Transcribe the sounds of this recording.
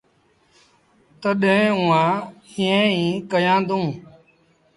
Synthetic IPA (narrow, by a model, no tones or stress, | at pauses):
t̪əɗẽːʊãːĩːẽːĩːkəjãːnd̪ũː